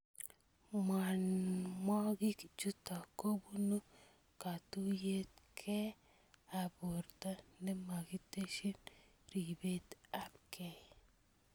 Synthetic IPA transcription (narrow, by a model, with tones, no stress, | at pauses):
ma˨nmɔ˦ɡi˦kd͡ʒu˦ta˨ko˦bu˦no˦ | ka˨tu˦je˦t̚kʰɛ˦ | a˨bo˨ɾta˦nɛ˦ma˨ɡi˦te˦ʃi˦n | ɾi˨be˦t̪a˦p̚kɛ˨